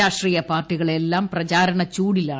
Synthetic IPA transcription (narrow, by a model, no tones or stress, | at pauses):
aːʂʈriːjɐpaːrʈːiɣɐɭe̞lːaːmprɐt͡ɕaːɾɐɳɐt͡ɕuːɽilaːɳ